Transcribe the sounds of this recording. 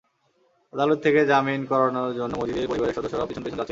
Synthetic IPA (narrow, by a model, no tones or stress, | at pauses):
ad̪alot̪ʰːeked͡ʑaminkɔɾanoɾd͡ʑonːomod͡ʑid̪eɾpoɾibaɾeɾʃɔd̪oʃːoɾaɔbit͡ɕʰonpoionat͡ɕʰe